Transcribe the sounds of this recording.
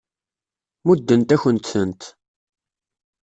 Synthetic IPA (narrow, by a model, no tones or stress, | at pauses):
mud̪ːənt̪æçənt̪sənt̪